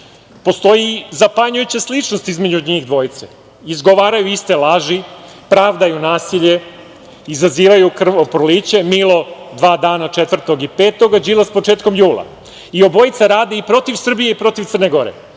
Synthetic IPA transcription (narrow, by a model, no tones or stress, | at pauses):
po̞st̪o̞jizapaɲujut͡ɕaslit͡ʂnost̪izmed͡ʑuɲixd̪ʋo̞jit̪se | izɡo̞ʋaːɾajuist̪elˠaʒi | pɾaːʋd̪ajunaːsiʎe̞ | izaziːʋajukr̩ʋopɾoliːt͡ɕe̞milˠod̪ʋaːd̪aːnat͡ʃet̪ʋr̩t̪o̞ɡipeːt̪o̞ɡad͡ʑiːlˠaspot͡ʂe̞ːt̪ko̞mjuːlˠa̰ | io̞bo̞jt̪saɾaːd̪eipɾo̞t̪iʋsr̩bijeipɾo̞t̪iʋt̪sərneɡo̞ɾḛ